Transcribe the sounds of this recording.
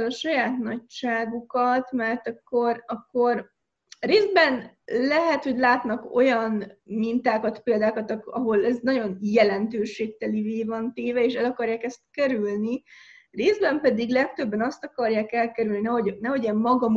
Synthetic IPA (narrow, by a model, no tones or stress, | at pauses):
lɒʃɒjaːt̪nɒcʃaːɡukɒt̪mɛrt̪ɒkːo̞rɒkːo̞r | reːzd̪bɛn | lɛɦɛt̪ho̞ɟlaːt̪nɒko̞̰jɒnmint̪aːkɒt̪peːld̪aːkɒt̪ɒkɒɦo̞lɛznɒɟo̞njɛlɛnt̪øːʃeːk̚t̪ɛliveːvɒnt̪eːvɛeːʃɛlɒkɒrjaːkɛst̪̚kɛɾylni | reːzd̪bɛmpɛd̪iɡlɛkt̪øbːɛnɒst̪ɒkɒrjaːkɛlkɛɾylninɛɦonɛɦo̞ɟeːmmɒɡɒm